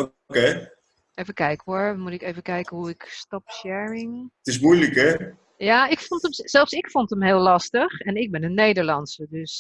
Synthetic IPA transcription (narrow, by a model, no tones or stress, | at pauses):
o | ke | ejvəkɛjkəʋɔɹmutɪkejvəkɛjkəɦuɪkstɔpʃɛɹɪŋtɪsmujləkɛ | jaːɪkfontəmsɛlˠfsɪkfontəmɦeːlˠɑstəχɛnɪɡ̚bɛnənːejdəɹlɑnsədøs